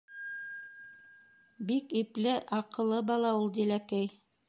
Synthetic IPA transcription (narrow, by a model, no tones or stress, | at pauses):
bikiplɘʔɑqɤ̆lˠːɤbɑlˠɑulˠd̪ilækæj